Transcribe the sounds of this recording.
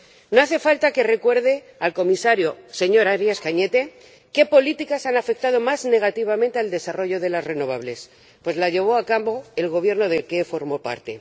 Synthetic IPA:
no̞aθe̞falt̪ake̞re̞kwe̞ɾðe̞ | alko̞misaɾjo̞se̞ɲo̞ɾaɾjaskaɲe̞t̪e̞ | ke̞po̞lit̪ikasanafe̞k̚t̪að̞o̞mazne̞ɣ̞at̪iβamẽnt̪eald̪e̞saro̞ʝo̞ðe̞lasre̞no̞βaβle̞s | pwe̞zlaʝe̞β̞o̞akambo̞e̞lɣo̞β̞je̞ɾno̞ðe̞lkefo̞ɾmo̞pa̰ɾt̪e̞

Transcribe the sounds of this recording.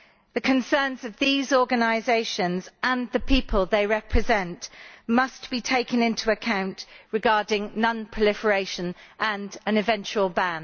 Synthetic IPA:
ðəkʰə̃nsɜːnzəvðiːzɔːɡənaɪzeɪʃə̃nzə̃nðəpʰiˑpʰəlˠðeɪɹɛpʰɹ̥ɪzɛ̃nʔmʌsb̥itʰeɪkə̃nɪ̃ntʰuəkʰãʊ̃nʔɹɪɡɑːdɪ̃ŋnʌ̃npʰɹ̥əlɪfəɹeɪʃə̃nʔə̃nə̃nɪvɛ̃nt͡ʃuəlˠbãn

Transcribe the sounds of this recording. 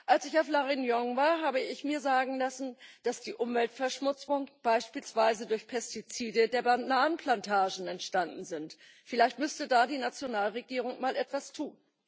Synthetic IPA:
ʔalsɪçaʊflaʁinjɔŋvaːɐɦaːbəɪçmiːɐzaːɡŋ̩lasn̩d̥asd̥iːʔʊmvɛltfɛɐʃmʊt͡sʊŋb̥aɪʃpiːlsv̥aɪzədʊɐçpʰɛstit͡siːdədeːɐbanaːnənpʰl̥antʰaːʒn̩ɛntʃtandn̩zɪnt | fɪlaɪçtmʏstədaːdiːnat͡sjonaːlʁeɡiːʁ̞ʊŋmaːlʔɛtv̥astʰuːn

